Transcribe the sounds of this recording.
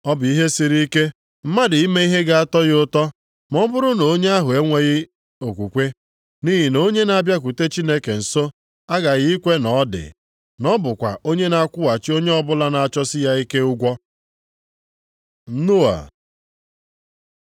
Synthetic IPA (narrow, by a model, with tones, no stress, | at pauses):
ɔ˦bʊ˨i˦ɦe˦si˦ɾi˦i˦ke˦ | m̩˦ma˦dɪ˨i˦me˦i˦ɦe˦ɡa˦a˦tɔ˦ɣɪ˦ʊ˦tɔ˦ | mɔ˦bʊ˦ɾʊ˦no˨˦ɲe˦a˦ɦʊ˨e˦ŋʷe˦ɣɪ˦ | o˨kʷu˨kʷe˦ | ni˦ɦi˨no˦ɲe˦na˨bja˦k̬u˨te˦t͡ʃi˦ne˦ke˨n̩˨so˦ | a˦ɡa˨ɣɪ˦i˦kʷe˦nɔ˨˦dɪ̰˨ | nɔ˦bʊ˨kʷa̰˨o˦ɲe˦na˨˦kʷʊ˦wa˨t͡ʃi˦o˦ɲe˦ɔ˦bʊ˦la˦na˨a˨t͡ʃɔ˦sɪ˦ja˦i˦ke˦ʊ˦ɡʷɔ˦ | n̩˦nu˦a̰˨